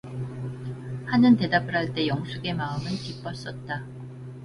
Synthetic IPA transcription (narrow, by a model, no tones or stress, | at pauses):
hanɯnte̞dabɯɾɦaɭt͈e̞jʌŋsʰuɡe̞maɯmɯnkip͈ʌs͈ʌt̚t͈a